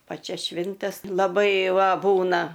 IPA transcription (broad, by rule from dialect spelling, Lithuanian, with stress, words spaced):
ˈpɑːt͡ʃʲɛs ˈʃʲʋʲɪnʲtʲɛs lˠɐˈbɐɪ ˈʋɐ ˈbuːnɐ